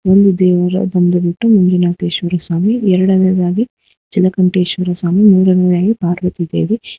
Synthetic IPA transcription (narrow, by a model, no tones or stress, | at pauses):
ond̪ud̪ɛːʋɐɾɐ̰d̪ɐnd̪ɐbiʈːumuŋɡinaːt̪eːʃʋɐɾɐsaːmiɛɾɐɽɐned̪aːɡi | d͡ʒilɐkɐmʈeːʃʋɐɾɐsaːmimuːɾɐnɐɾjaːɡipaːɾʋɐt̪id̪eːʋe